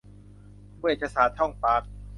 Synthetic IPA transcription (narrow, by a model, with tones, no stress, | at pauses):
mu˥˩ə˨˩t͡ɕʰa˧saː˨˩˦t̪ʰɔ˥˩ŋpaː˨˦˥k̚